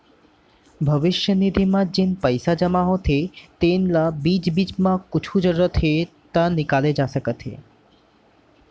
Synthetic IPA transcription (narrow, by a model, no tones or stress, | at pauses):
bʱəbiʃjənid̪ʱimad͡ʑenpəjsad͡ʑəmaɦot̪ʰet̪enlabid͡ʑbid͡ʑmãkut͡ɕʰud͡ʒəɾət̪ʰe | t̪anikaled͡ʑasəkət̪ʰḛ